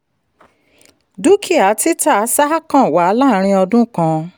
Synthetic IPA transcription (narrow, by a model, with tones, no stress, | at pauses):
du˦kʰi˦˨a˨˦ti˦ta˦a˨˦sa˦kã˦˨wa˨˦la˦˨˦ɾ̃ĩ˧ɔ˧dũ˦kã˧